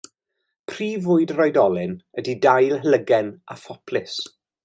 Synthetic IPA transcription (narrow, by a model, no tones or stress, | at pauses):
pʰriːvʊɨdrɔjdɔlˠɪnədidajlˠɦələɡɛnafɔpʰlɪs